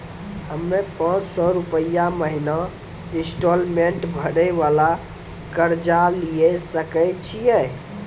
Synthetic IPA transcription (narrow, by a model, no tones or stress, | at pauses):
ɦəmːepə̃ɾsɔɾupəjaməɦina | ĩsʈolmeɳʈbʱəɽəʋala | kəɾd͡ʒalijesəkɛt͡ʃʰijɛ